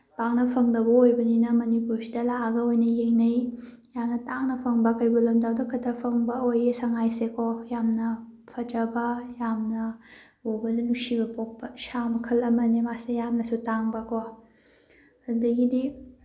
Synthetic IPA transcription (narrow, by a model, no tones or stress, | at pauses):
baŋnɐpʰɐŋdɐbɐojbɐninɐmɐnipuɾsidɐlaʔɐɡɐojnɐjeŋnɐj | jamnɐtaŋnɐpʰɐŋbɐkɐjbulɐmdawdɐkʰɐtʰɐpʰɐŋbɐojesɐŋajsekojamnɐpʰɐd͡ʒɐbɐjamnɐ | bobɐdɐnusibɐpok̚pɐsamɐkʰɐlɐmɐnimasejamnɐsutaŋbɐko | dɐɡidi